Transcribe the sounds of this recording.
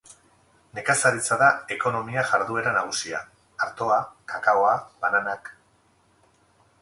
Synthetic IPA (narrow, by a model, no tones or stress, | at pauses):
ne̞kasaɾit͡saðae̞ko̞no̞miaʝaɾðue̞ɾanaɣ̞usiaː | ɾt̪o̞akakaoaβananak